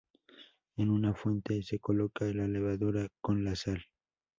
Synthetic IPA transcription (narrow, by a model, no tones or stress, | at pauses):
enunafwe̞nt̪e̞se̞ko̞lo̞kalale̞βaðuɾako̞nlasal